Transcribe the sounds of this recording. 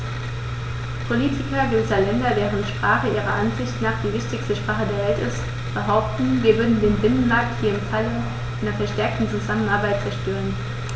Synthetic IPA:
pʰoliːtʰɪkɐɡuzɐlɛndɐveːʁəntʃpʁ̥aːχəʔiːʁ̞ɐʔanzɪçtnaːχd̥iːvɪçtɪçstəʃpʁ̥aːχədeːɐvɛltɪst | b̥əɦaʊp̚tn̩viːɐvʏɐdn̩deːnbɪnənmaɐk̚thiːɐɪmfalə | ʔʔaɪnɐfɛɐʃtɛɐk̚tn̩t͡suzamənaɐbaɪt̚t͡sɛɐʃtøːʁən

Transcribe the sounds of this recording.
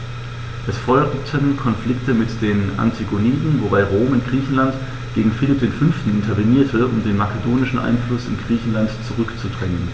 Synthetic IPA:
ʔɛsfɔʏtʰənkʰɔnflɪktəmɪtd̥eːnʔa̰ntʰiɡoniːdn̩vobaɪʁoːmʊntɡ̥ʁiːçn̩lant | ɡ̥eːɡŋ̩fɪlɪp̚d̥eːnfʏnftn̩ɪntʰɐveniːɐtʰəʊmdeːnmakedoːnɪʃn̩ʔa̰ɪnflʊsɪ̰nɡʁiːçn̩lantt͡suʁʏkt͡sudʁɛŋən

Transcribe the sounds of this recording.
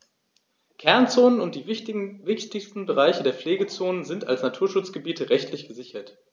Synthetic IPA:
kʰɛɐnt͡soːnənʊnt̚d̥iːvɪçtɪçstn̩bəʁ̞aɪçədeːɐpfleːɡət͡soːnənzɪnta̰lsnatʰuːɐʃʊt͡sɡ̥əbiːtʰəʁɛçtʰlɪçɡ̥əzɪçɐt

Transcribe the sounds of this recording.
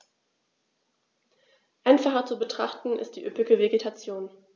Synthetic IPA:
ʔaɪnfaχɐt͡subətʁ̥aχtn̩ʔɪ̰st̚d̥iːʔøpɪɡəveɡetʰat͡sjoːn

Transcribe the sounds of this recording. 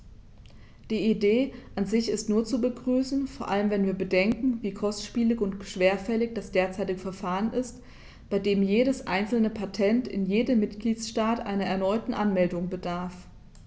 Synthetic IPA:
d̥iːideːʔanzɪçɪstnuːɐt͡subəɡʁyːsn̩foːɐʔaləmvɛnviːɐbədɛŋkŋ̩viːkʰɔstʃpiːlɪçʊntʃv̥eːɐfɛlɪç̚d̥asd̥eːɐt͡saɪtɪɡəfɛɐfaːʁənʔɪst | b̥aɪdeːmjeːɾəsʔaɪnt͡sl̩nəpʰatʰɛntʰɪ̰njeːdəmːɪtɡ̥liːtsʃtaːtʔa̰ɪnɐɛɐnɔʏtn̩ʔanmɛldʊŋbədaɐf

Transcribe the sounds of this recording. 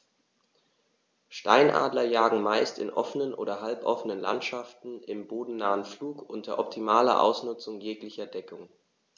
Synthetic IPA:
ʃta̰ɪnʔa̰ːdlɐjaːɡŋ̩maɪstɪ̰nʔɔfənənʔo̰ːdɐɦalpʔɔfənənla̰ntʃaftn̩ʔɪmboːdn̩naːənfluːkʔʊntʰɐʔɔptʰimaːlɐ̰ʔa̰ʊsnʊt͡sʊŋjeːklɪçɐdɛkʰʊŋ

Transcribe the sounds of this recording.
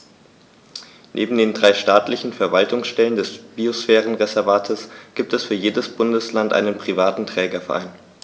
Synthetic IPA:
nʔḛːbm̩deːndʁaɪʃtaːtlɪçn̩fɛɐvaltʊŋsʃtɛləndɛsb̥iosfɛːʁ̞ənʁezɛɐvaːtʰəsɡ̥iːp̚tɛsfyːɐjeːdəsb̥ʊndəslantʔa̰ɪnənpʁ̥ivaːtn̩tʁ̥ɛːɡɐfɛɐʔa̰ɪn

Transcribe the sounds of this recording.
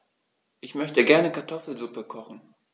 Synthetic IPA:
ʔɪçmœçtəɡɛɐnəkʰaɐtʰɔfl̩zupəkʰɔχn̩

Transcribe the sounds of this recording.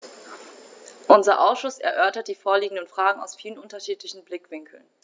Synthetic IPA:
ʔʊnzɐʔaʊsʃʊsɛ̰ɐʔœɐtɐt̚d̥iːfoːɐliːɡŋ̩dənfʁ̥aːɡŋ̩a̰ʊsfiːlənʔʊntɐʃiːtlɪçn̩blɪkv̥ɪŋkʰl̩n

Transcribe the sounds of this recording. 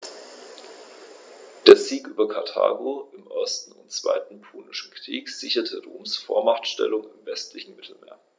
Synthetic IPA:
d̥eːɐziːkʔyːbɐkʰaɐtʰa̰ːɡoɪmʔɔɐstn̩ʊntt͡sv̥a̰ɪtn̩pʰoːnɪʃn̩kʁ̥iːkz̥ɪçɐtʰəʁoːmsfoːɐmaχtʃtɛ̰lʊŋɪmvɛstlɪçn̩mɪtʰl̩mḛːɐ

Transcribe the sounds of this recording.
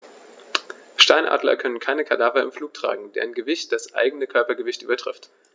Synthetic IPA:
ʃtaɪnʔa̰ːdlɐ̰kʰœnənkʰaɪnəkʰadaːvɐɪmfluːk̚tʁ̥a̰ːɡŋ̩dḛːɐɪnɡəvɪçt̚d̥asʔa̰ɪɡənəkʰœɐpɐɡəvɪçtʔyːbɐtʁ̥ɪft

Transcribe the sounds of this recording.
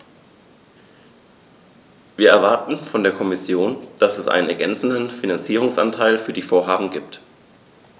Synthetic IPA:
viːɐʔɛɐvaɐtn̩fɔndeːɐkʰɔmɪsjoːnd̥asɛsʔa̰ɪnənɛɐɡɛ̰nt͡sn̩dən̩finant͡siːʁ̞ʊŋsʔa̰ntʰaɪlfyːɐdiːfoːɐɦaːbm̩ɡiːp̚t

